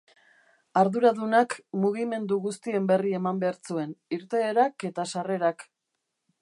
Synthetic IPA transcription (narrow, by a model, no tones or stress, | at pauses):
aɾðuɾaðunakmuɣime̞nd̪uɣust̪ie̞mbe̞rie̞mambe̞aɾt͡sue̞niɾt̪e̞ːɾake̞t̪asare̞ɾak